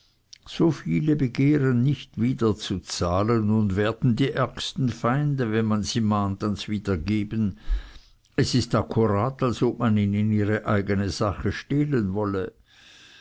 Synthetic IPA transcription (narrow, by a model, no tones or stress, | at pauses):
z̥ofiːləbəɡeːʁənːɪçtv̥iːdɐt͡sut͡saːlənʊndvɛːɐdn̩diːʔɛɐkstn̩faɪndəvɛnmanziːmaːntansviːdɐɡeːbən | ɛsɪstakʰuʁaːtalsop̚maniːnɪniːʁəʔaɪɡənəzaχəʃtɛlənvɔlə